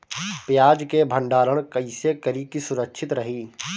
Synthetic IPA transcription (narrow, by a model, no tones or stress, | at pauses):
pjaːd͡ʒkebʱə̃ɳɖaːɾəɽ̃kɐisekəɾikisʊɾəkʃʰɪt̪ɾɐɦiː